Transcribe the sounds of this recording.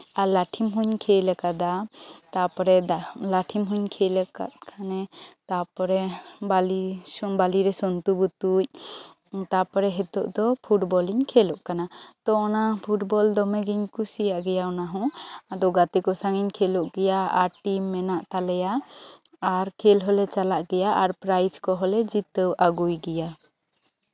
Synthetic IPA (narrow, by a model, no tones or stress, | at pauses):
aɾlaʈʰimɦuɲkʰelɛkad̪at̪apɔɾɛd̪alaʈʰimɦuɲkʰelɛka̰t̪̚kʰanɛt̪apɔɾɛbalibaliɾɛsɔnt̪ubut̪uc̚ | t̪apɔɾɛɦɛt̪ɔʔd̪ɔpʰuʈbɔliɲkʰelɔʔkanat̪ɔɔnapʰuʈbɔld̪ɔmɛɡiɲkusijaʔɡɛjaɔnaɦɔ̃ad̪ɔɡat̪ɛkɔsaŋiɲkʰeluʔɡɛjaaɾʈimːɛnaʔt̪alɛjaː | ɾkʰelɦɔlɛt͡ʃalaʔɡɛjaʔaɾpɾajd͡ʒkɔɦɔlɛd͡ʒit̪əwʔaɡujɡɛja